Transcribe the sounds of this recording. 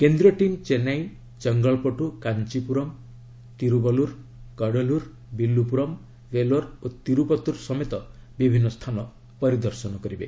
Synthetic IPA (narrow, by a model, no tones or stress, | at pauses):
kend̪ɾɔʈimt͡ʃenaj | t͡ʃɔŋɡɔɭpɔʈukant͡ʃipuɾɔm | t̪iɾubɔluɾ | kaɽɔluɾ | bilːupuɾɔm | ʋeloɾot̪iɾupɔt̪uɾsɔmet̪ɔbibʱinːɔst̪ʰanɔ | pɔɾid̪ɔɾsɔnɔkɔɾibe